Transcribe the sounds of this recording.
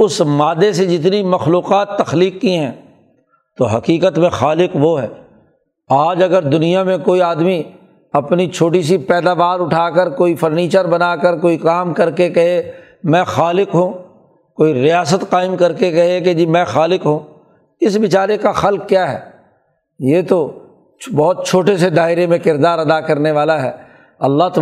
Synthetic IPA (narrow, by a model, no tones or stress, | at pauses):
ʊsmaːd̪esed͡ʒɪt̪nimɐxluːqaːt̪ːɐxliːkːiɦɛ̃ː | t̪oɦɐqiːqət̪mẽxaːlɪqʋoɦɛː | aːd͡ʒɐɡəɾd̪ʊnijamẽkoːiaːd̪mi | ɐpnit͡ʃʰoːʈis̬ipɛːd̪aːʋaːɾʊʈʰaːkəɾkoːifɐɾniːt͡ʃəɾbɐnaːkəɾkoːikaːmkɐɾkekɐɦe | mɛ̃ːxaːlɪqɦũ | koːiɾɪjaːsət̪qaːɪmkɐɾkek̬ɐɦeked͡ʒiːmɛ̃ːxaːlɪqɦũː | ɪsʋɪt͡ʃaːɾekaxɐlq̚kːjaːɦɛ̰ː | jeːt̪o | bɔːt̪̚t͡ʃʰoːʈesed̪aːɪɾemẽkɪɾd̪aːɾɐd̪akɐɾneʋaːlaɦɛː | ɐlːaɦt̪